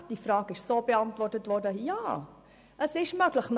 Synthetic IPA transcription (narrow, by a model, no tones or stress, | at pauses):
d̥ifrɑːɡɪʃsoːbəɑntvɔrtətvɔrdəjaː | ʔəsɪʃmøɡləχn